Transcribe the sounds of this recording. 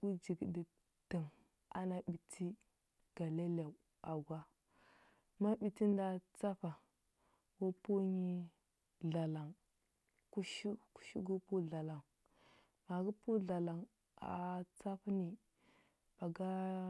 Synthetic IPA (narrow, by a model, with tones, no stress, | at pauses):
u˦d͡ʒi˨ɡdi˨ | tə˨ŋ | a̰˦na˦ɓi˨tʰi˦ | ɡ̥a˨le˦la˨ | a˨ɡʷa˦ | ma˦ɓi˨ti˦nda˦t͡sa˦fa˨ | wu˦pu˦ɲi˦ | ɮa˨la˨ŋ | ku˦ʃu˦ku̥˦ʃṵ˦ɡu˦pu˦ɮa˨la˨ŋ | ma˨ɡu˦pu˦ɮa˨la˨ŋ | a̰˨t͡sa˦fni˨ | pa˨ɡa˦